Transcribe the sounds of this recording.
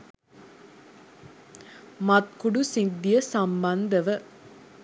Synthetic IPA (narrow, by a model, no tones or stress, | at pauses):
mɐt̪̚kuɖusind̪ːijɐsɐmbɐnd̪ɐʋə